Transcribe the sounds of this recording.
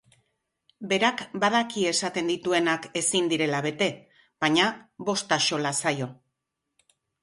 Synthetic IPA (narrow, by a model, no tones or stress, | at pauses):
be̞ɾakbaðakie̞sat̪e̞nd̪it̪ue̞nake̞sind̪iɾe̞laβe̞t̪e̞ | β̥aɲaβo̞st̪aʃo̞lasajo̞